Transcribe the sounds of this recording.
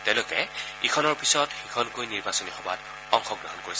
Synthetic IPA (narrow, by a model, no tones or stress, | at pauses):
tɛʊ̃lʊkɛ | ikʰɔnɔɹpisɔtxikʰɔnkojniɹbasɔnixɔba̰t | ɔŋxɔɡɹɔɦɔnkoɹisɛ